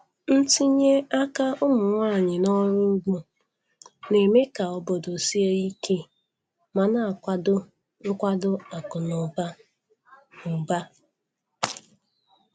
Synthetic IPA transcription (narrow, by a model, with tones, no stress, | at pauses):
n̩˦ti˦ɲe˦a˦ka˦ʊ˦mʊ˨ŋʷa˦˨ɲɪ˨nɔ˦ɾʊ˦ɡ͡bu˦ | ne˨me˦ka˨ɔ˨bɔ˨do˨si˦e˦i˦ke˦ | ma˨na˨a˨kʷa˦dʊ˦ | ʊ˦kʷa˦dʊ˦a˨kʊ˨nʊ˨ba˦ | ʊ˨ba˦